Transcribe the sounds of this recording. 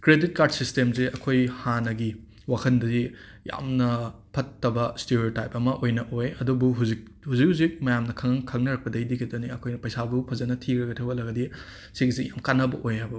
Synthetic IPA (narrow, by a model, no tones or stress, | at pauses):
kɾedit̚kaɾd̚sistemzeɐkʰojhanɐɡi | wakʰɐndɐzi | ja̰mnɐpʰɐtːɐbɐsteɾiotajpɐmɐʔojnɐʔojɐdubuɦuzik̚ | huzik̚huzik̚mɐjamnɐkʰɐŋɐŋkʰɐŋnɐɾɐk̚pɐdɐjdikʰitɐniɐkʰojnɐpɐjsabupʰɐzɐnɐtʰikɾɐɡɐtʰɐwɐlɐɡɐdi | siɡzijamkanːɐbɐ̰ʔojɦajbɐ